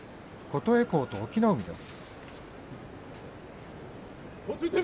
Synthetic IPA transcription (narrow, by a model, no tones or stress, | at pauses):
ko̞t̪o̞e̞ko̞ːt̪o̞ːkʲinaomʲid̪esɨ̥